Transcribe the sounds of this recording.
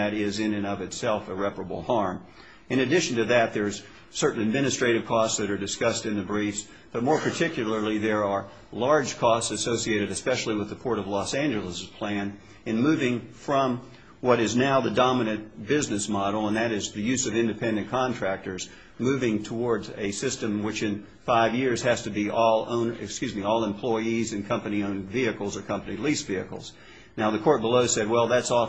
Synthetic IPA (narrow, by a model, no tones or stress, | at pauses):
ɨɾɪzɪ̃nɨ̃nʌvɨtsɛlˠfəɹɛpə˞əbl̩ˠhɑɹm | ɨ̃nɨdɪʃn̩tɨðɨt̪̚ðə˞z̥ | sɜ˞ʔn̩ɨd̚mɪ̃ñɨstɹ̥eɪɾɨv̥kʰɔstsðɨɾə˞dɨskʌstɨ̃nðɨbɹifs | b̥ʌt̚mɔɹpʰə˞tʰɪkjl̩ˠə˞lˠiðə˞ə˞ | lɑɹd̥ʒ̥kʰɔstsɨsoʊsieɪɾɨɾɨspɛʃl̩ˠiwəðəpʰɔɹɾʌvlɔsæ̃nd͡ʒɨl̩ˠəspʰl̥æ̃n | ɨ̃nmʉvɪ̃ŋfɹʌ̃m | wʌɾɨznaʊðɨdɑmɨnɨ̃nb̥ɪznɨsmɑɾl̩ˠə̃nðɨɾɨzðɨjʉzʌvɪ̃ndɨpʰɛ̃ndɨ̃nkʰɑ̃ntʰɹ̥æk̚tə˞z | mʉvɪ̃ŋtʰəwɔɹdzɨsɪstɨ̃mwɨt͡ʃɨ̃n | faɪvjɪɹz̥hɨz̥tɨbiʔɔlˠõ̰ʊ̃nɨ̰kskjʉzmiɔlˠə̃mpʰl̥ɔɪizɨ̃nkʰʌ̃mpɨniõʊ̃nviɨkl̩ˠzə˞kʰʌ̃mpɨnilisv̥iɨkl̩ˠz̥ | naʊðɨkʰɔɹt̚b̥əloʊsɛd̚wɛlˠðætsɔ